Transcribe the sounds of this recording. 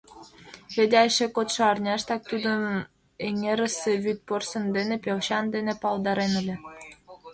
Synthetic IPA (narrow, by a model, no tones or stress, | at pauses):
βed̪ʲeɑjʃekot̪ʃɤ̆ɑrnʲɑʃt̪ɑk̚t̪ud̪ə̆m | eŋeɾə̆seβyt̪̚porsə̆nd̪enepʲewɕɑnd̪enepɑlˠd̪ɑɾenəlʲĕ